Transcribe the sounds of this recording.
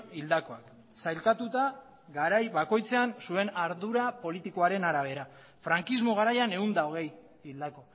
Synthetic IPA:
ild̪ako̞ak | sajlkat̪ut̪a | ɡaɾajβako̞jt͡se̞ansue̞naɾðuɾapo̞lit̪iko̞aɾe̞naɾaβ̞e̞ɾa | fɾaŋkizmo̞ɣ̞aɾajane̞und̪ao̞ɣ̞e̞j | ild̪ako̞

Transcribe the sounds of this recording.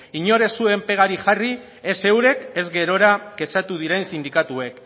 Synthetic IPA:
iɲo̞ɾe̞sue̞mpe̞ɣ̞aɾiʝari | e̞se̞wɾe̞ke̞zɣe̞ɾo̞ɾake̞sat̪uð̞iɾe̞nsind̪ikat̪ue̞k

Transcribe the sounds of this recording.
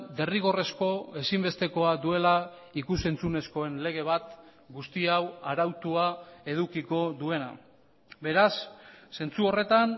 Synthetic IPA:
d̪e̞riɣo̞re̞sko̞e̞simbe̞st̪e̞ko̞ad̪ue̞la | ikuse̞nt͡sune̞sko̞e̞nle̞ɣ̞e̞β̞at̪ | ɡust̪iawaɾawt̪uae̞ð̞ukiko̞ðue̞na̰ | be̞ɾasːe̞nt͡suo̞re̞t̪an

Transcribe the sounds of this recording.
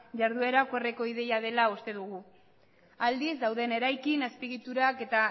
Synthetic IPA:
ʝaɾðue̞ɾakoereko̞ið̞e̞jað̞e̞laust̪e̞ðuɣ̞u | ald̪izd̪awðe̞ne̞ɾajkinaspiɣit̪uɾake̞t̪a

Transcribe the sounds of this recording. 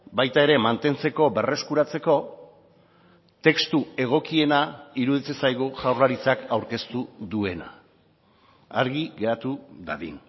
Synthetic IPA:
bajt̪ae̞ɾe̞mant̪e̞nt͡se̞ko̞be̞re̞skuɾat͡se̞ko̞ | t̪e̞kst̪ue̞ɣ̞o̞kie̞naiɾuðit͡sesajɣ̞uʝawrlaɾit͡sakawɾke̞st̪uðue̞na̰ | aɾɣiɣe̞at̪uðaðḭn

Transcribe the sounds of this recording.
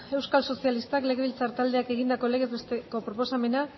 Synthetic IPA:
e̞wskalso̞sialist̪akle̞ɣe̞βilt͡saɾt̪ald̪e̞ake̞ɣind̪ako̞le̞ɣe̞zβest̪eko̞pɾo̞posame̞na

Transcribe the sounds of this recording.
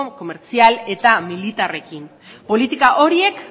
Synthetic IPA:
ko̞me̞ɾt͡siale̞t̪amilit̪are̞kim | po̞lit̪ikaʔo̞ɾie̞k

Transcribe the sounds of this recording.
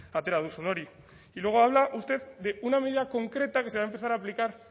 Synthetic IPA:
at̪e̞ɾaðusono̞ɾi | ilwe̞ɣoaβ̞laʔust̪e̞ðd̪e̞unameð̞iðako̞ŋkɾe̞t̪ake̞seβaempeθaɾaːplikaɾ

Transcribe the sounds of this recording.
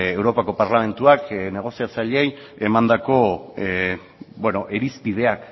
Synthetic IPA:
e̞wɾo̞pako̞paɾlame̞nt̪uakne̞ɣ̞o̞siat͡saʎej | e̞mand̪ako̞ | bweno̞ʔeɾispið̞e̞ak

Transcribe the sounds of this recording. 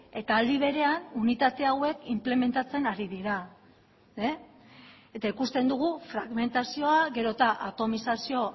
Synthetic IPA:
e̞t̪aːld̪iβ̞e̞ɾe̞anunit̪at̪e̞awe̞kimple̞me̞nt̪at͡se̞naɾiðiɾa | et̪aikust̪e̞nd̪uɣ̞ufɾaɣme̞nt̪asio̞aɣe̞ɾo̞t̪aʔat̪o̞misasio̞

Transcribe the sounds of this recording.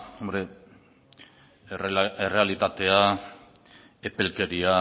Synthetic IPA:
ombɾe | ere̞alit̪at̪e̞a | epe̞lke̞ɾia

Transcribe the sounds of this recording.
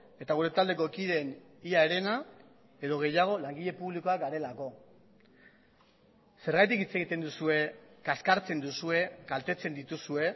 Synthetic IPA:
e̞t̪aɣ̞uɾe̞t̪ald̪e̞ko̞ekiðe̞niaeɾe̞na | e̞ðo̞ɣ̞e̞jaɣ̞o̞laŋɡiʎe̞puβliko̞aɡaɾe̞lako̞ | se̞ɾɣajt̪̬ikit͡se̞ɣ̞it̪e̞nd̪usue̞kaskaɾt͡se̞nd̪usue̞kalt̪e̞t͡se̞nd̪it̪usue̞

